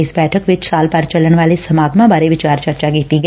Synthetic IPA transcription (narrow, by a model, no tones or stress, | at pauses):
ɪsbɛːʈʰəkʋɪt͡ʃsaːlpəɾt͡ʃələɳʋaːlesəmaːɡmãbaːɾeʋɪt͡ʃaːɾt͡ʃəɾt͡ʃakiːt̪iɡɛ